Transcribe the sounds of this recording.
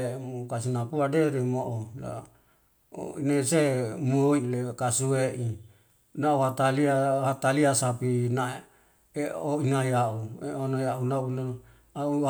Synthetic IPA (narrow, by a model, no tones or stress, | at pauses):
emukasinapuadeɾemoʔola̰ | o̰inasemoilekasueʔi | nauɦat̪aliahat̪aliasapina | eoinaiaʔueonajaunauno | au